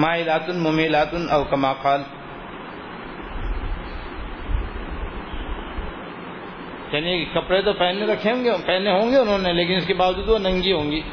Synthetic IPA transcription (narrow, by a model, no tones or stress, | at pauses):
maːɦɪlaːt̪ʊnmʊmilaːt̪ʊnɔːkɐmaːqaːl | jaːnikɐpɽet̪opɛːneɾɐkʰeɦõːŋɡepɛːneɦõːŋɡeʊnɦõːneleːk̬ɪnɪskebaːʋd͡ʒuːd̪ʋonɐ̃ŋɡiɦõːŋɡiː